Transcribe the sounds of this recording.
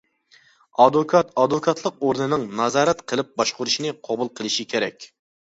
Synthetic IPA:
ɑd̪okʰɑt̪ɑd̪vokʰɑt̪lˠəq̚oɾnɨnɨŋnɑzɑːɾɛt̪qʰəlˠɪp̚bɑʃqʊɾuʃinɪqʰɑbulˠqʰəlˠɨʃikʲʰeɾɛkʲ

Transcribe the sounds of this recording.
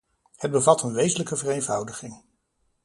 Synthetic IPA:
həd̚bəvɑtənʋejzənləkəvərenvʌwdəχɪŋ

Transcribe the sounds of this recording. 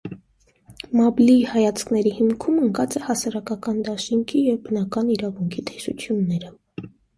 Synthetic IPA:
mɑblihɑjɑt͡sʰkʰnɛɾihimkʰuməŋkɑt͡sɛhɑsɑɾɑkɑkɑnd̪ɑʃiŋkʰijɛvbənɑkɑniɾɑvuŋkʰit̪ʰɛ̥sṵt͡sʰjunːɛɾə

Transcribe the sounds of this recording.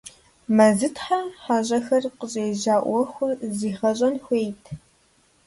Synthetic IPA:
mɐzɨtʰħaħaːɕʼɐxɐrqəɕʼeːʑaːʔʷɔxʷʊrziːχɐɕʼɐnxʷejtʰ

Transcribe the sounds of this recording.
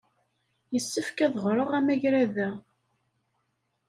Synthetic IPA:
jəsːəfkæðʁɾˤəʁæmæʝɾæðæ

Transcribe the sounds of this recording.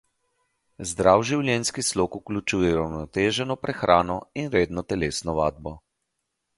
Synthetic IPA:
zd̪ɾawʒiwljɛnskisloːkuklʲut͡ʃuːjɛɾawnɔt̪eːʒɛnɔpɾɛxɾʔaːnɔinɾeːd̪nɔt̪ɛleːsnɔʋaːd̪̚bɔ

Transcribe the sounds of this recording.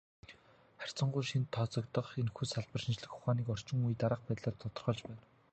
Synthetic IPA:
χær̥ʲt͡sɞ̆ɴɢʊjʃint̪ʰːɔt͡sɞ̆kt̪ə̆χenxuːsaɮpə̆rʃint͡ɕɮɘ̆xχʊ̥χaːniːkɔr̥t͡ɕɪ̆ŋujt̪aɾə̆q̚pæːt̪ɮăːrt̪ʰɔt̪ɞ̆rχɞ̆ɮt͡ɕpæːn

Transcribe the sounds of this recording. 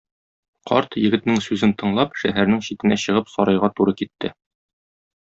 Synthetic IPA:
qʰɒ̰ɾt̪jɘ̆ɡɘ̆t̪nɘŋsʉzɘnt̪ɤ̆ɴlˠɑpʃæɦæɾnɘŋɕit̪ɘ̆næɕɤ̆ʁɤpsɒɾɑjʁɑt̪uɾɤkit̪ːɘ

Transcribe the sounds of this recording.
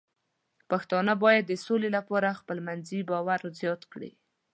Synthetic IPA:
paxt̪ɑnəbɑjad̪ːəsolelapɑɾaxpəlmanzibɑwaɾzjɑt̪kɽḭ

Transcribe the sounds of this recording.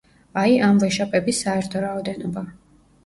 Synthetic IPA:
aiʔamvɛʃapʼɛbisːaɛɾt̪ʰɔɾaɔd̪ɛnɔba

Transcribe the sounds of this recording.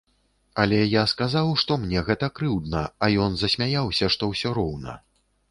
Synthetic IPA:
ɐlʲɛjaskazawʂt̪ɔmnʲɛɣɛt̪ɐkɾɨwd̪nɐɐjɔnzɐsʲmʲajawsʲɐʂt̪ɔwsʲɔɾɔwnɐ̰

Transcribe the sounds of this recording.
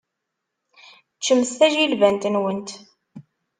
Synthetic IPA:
t͡ʃːəmːəsθæʒilvænt̪nwənt̪

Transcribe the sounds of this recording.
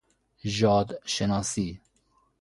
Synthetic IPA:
ʒɑːd̪ʃenɑːsiː

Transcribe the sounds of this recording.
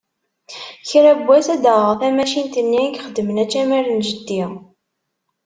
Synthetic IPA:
çɾæbʷːæsæd̪əʁəʁθæmæʃint̪ənːiækχəd̪ːəmənæt͡ʃːæmæɾnʒəd̪ːi

